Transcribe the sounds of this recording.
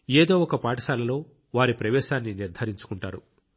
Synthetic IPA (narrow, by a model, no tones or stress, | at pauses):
eːd̪o̞ːɔkɐpaːʈɐʃaːlɐlo̞ː | ʋaːɾipɾɐʋɛːʃaːnːiniɾd̪ʱɐɾiɲt͡ʃu̥kuɳʈaːɾu